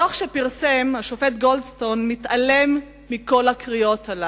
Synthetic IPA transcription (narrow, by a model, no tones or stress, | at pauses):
aχʃepiʁsemaʃofet̪ɡo̞ldst̪o̞nmit̪ale̞mː | iko̞lakʁijo̞t̪ala